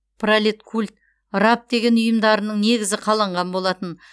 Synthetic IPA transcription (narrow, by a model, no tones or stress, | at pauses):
pʰralet̪kʰulʲt̪ | ɾap̚d̪e̞ɡʲe̞nʊjəmd̪ɑɾənəɴne̞ɡʲɪzɪqʰɑlˠɑɴʁɑnbo̞lˠɑt̪ən